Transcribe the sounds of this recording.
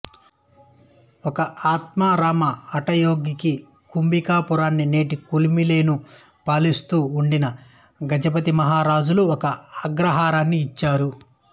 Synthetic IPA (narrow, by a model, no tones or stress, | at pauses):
ɔkɐʔaːt̪maːɾaːmɐɐʈɐjoːɡiki | kumbikaːpuɾaːnːine̞ːʈikulimile̞ːnu | paːlist̪uːɳɖinɐ | ɡɐd͡ʒɐpɐt̪imɐɦaːɾaːd͡ʒuluɔkɐɐɡɾɐɦaːɾaːnːiːt͡ʃːaːɾu